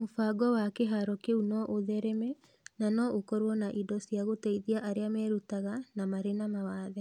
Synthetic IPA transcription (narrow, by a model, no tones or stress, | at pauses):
mofaːɡɔwakeɦaɾɔkeunɔʔoðɛɾɛmɛ | nanɔokɔɾwɔnaʔidɔsiaɣotɛiðiaʔaɾeamɛɾutaɣanamaɾenamawaːðɛ